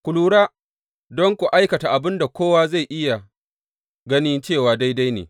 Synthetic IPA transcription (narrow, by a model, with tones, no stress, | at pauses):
kʷʊ˨luː˨ɽaː˦ | dɔ˦ŋkʷu˨ʔa˦jkɐ˨ta˨ʔa˨bɪ˦nda˨kʷoː˦waː˦za˦˨jʔɪ˦ja˨ | ɡɐ˦nɪ˦nt͡ʃeː˦˨waː˨da˦jda˦jnḛː˨